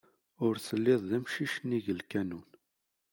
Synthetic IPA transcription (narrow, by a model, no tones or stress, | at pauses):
ʊɾsəlːɪðˤðæmʃiʃənːiʝəlkænun